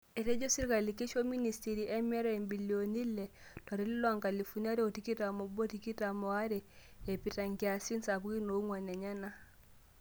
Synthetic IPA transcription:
e˨ɾe˦d͡ʒo˦si˦ka˨li˨ke˦ʃo˦mi˦ni˨sti˨ɾiʔɛ˦mɛ˦ɾɛmbi˨ljo˨ni˦lɛ˨ta˨ɾe˦li˦lɔ˦a˦ŋka˨li˨fu˦ni˦a˦ɾe˦o˨ti˦ki˦ta˨mo˨bo˦ti˨ki˦ta˨mo˨a˦ɾe˨e˨pi˨ta˨ŋɡi˨a˨si˦nsa˨bu˦ɡi˦no˨u˦ŋwa˨ne˨ɲa˦na˦

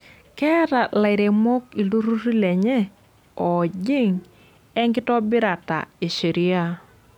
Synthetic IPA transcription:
kɛ˦ɾa˨la˨ɪ˨ɾe˨mo˦ki˨lu˦ɾu˦ɾi˦lɛ˨ɲɛ˦ | ɔ˨d͡ʒɪ˦ŋ | ɛ˦ŋɡɪ˦tɔ˦bɪ˦ɾa˨ta̰˨i˨ʃi˨ɾi˦a˦

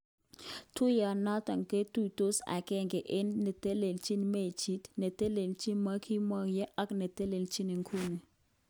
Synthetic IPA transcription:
tu˦ja˨na˦ta˨ŋke˦tu˦to˦sa̰˨kɛ˦ŋɡɛ˨ʔɪ˦nːe˨te˦le˨lt͡ʃi˦nme˦˨t͡ʃi˦tne˨te˦le˨lt͡ʃi˦ma˦kʰi˦ma˦kjɛ˦ʔa˦kne˨te˦le˨lt͡ʃi˦ni˨ŋkʰu˦ni˨

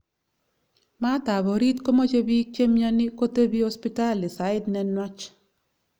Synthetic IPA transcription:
ma˦ta˨bɔ˨ɾi˦t̪ko˦mo˦t͡ʃe˦bi˦t͡ʃe˦mja˦nɪ˦ko˦te˦bi˦ho˦spi˦ta˦˨lɪ˨sa˨ɪ˦dnɛ˦nwa˦t͡ʃ

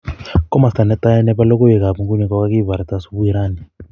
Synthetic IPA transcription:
kɔ˦ma˨sta˨nɛ˦tʼa˦jɛ˦nɛ˦pa˦lɔ˦k̬ɔ˦jɛ˨k̬a˨pu˨ŋɡu˦ɲɛ˨kɔ˦ka˦k̬i˦˨βa˨ɾa˨ta˦su˦ɓu˦ji˦ɾaː˦ni˨

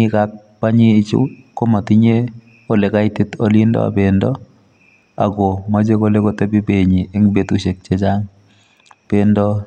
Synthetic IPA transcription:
ɪ˦ka˦k̚ | pa˦ɲiː˦˨t͡ʃṵ˦ko˦ma˨ti˦ɲe˦ | o˨lɛ˨ka˦ɪ˦tɪ˦t̪ɔ˦lɪ˦ndɔ̰˦a̰˨be˨ndɔ˦ | a̰˨ɡo˨ma˦d͡ʒe˦ko˦le˦ko˦tɛ˦bi˦be˨ɲi˨e˦ŋbe˨t̪u˦ʃe˨k̚t͡ʃe˦d͡ʒa˦ŋ | b̥e˦ndɔ˦

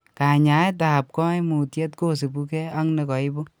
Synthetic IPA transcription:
ka˨ɲa˨˦jt̬a˨p̚kɔ˦imu˨tje˦t̚ko˦˨se˨bu˦kɛ˦a˦ŋne˨kɔ˨ɪ˦bo˦

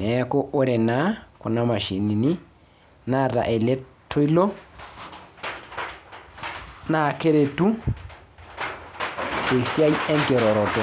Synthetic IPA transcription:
nɛ˨˦ko˦ʔo˦ɾɛ˨na˦kʊ˨na˦ma˨ʃi˨ni˨ni˦ | na˦˨ɾa̰˨ʔɛ˨lɛ˦tʰːo˦i˦lɔ˦ | na˦˨ke˦ɾe˨tu˦ | ke˨sja˦i˦ɛ˦ŋkɛ˨ɾɔ˨ɾɔ˨tɔ˨

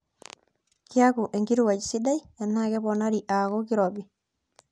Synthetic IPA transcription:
kia˦ku˨ʔe˨ŋɡi˦ɾu˦wa˨t͡ʃsi˦da˦i | a˨nːa˦kɛ˦bɔna˦ɾiʔa˨ɣo˦ki˦ɾɔ˨bi

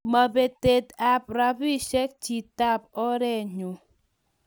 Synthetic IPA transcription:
ma˨be˨te˨t̚a˨p̚ɾa˨bi˦ʃe˦k̚t͡ʃi˨ta˦p̚ɔ˦ɾe˦˨ɲu˨

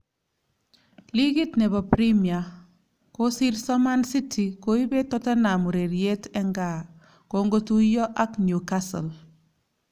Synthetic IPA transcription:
li˦ɡi˦tnɛ˨bɔ˨pɾi˦mia˨ | ko˦si˦ɾsɔ˦ma˦nsi˦tʰi˨ko˦i˦be˦tɔ˦ta˦na˨mu˨ɾe˨ɾje˦tɛ˦ŋɡa˨ | ko˦ŋɡo˦tu˦jɔ˦ʔa˦knju˨kasɔ̰˨l

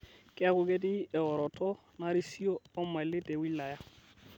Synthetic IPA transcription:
kɪ˦a˦kʊ˦ɡɛ˦t̬ɪ˦ɛ˨ɔ˨ɾɔ˨tɔ˦ | na˦ɾi˦si˦oː˦ma˨lɪ˦tɛ˨wi˦la˨ja˦

